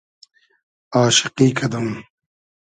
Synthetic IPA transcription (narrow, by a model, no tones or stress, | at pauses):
aːʃɪ̥qiːkʰɐd̪ɐm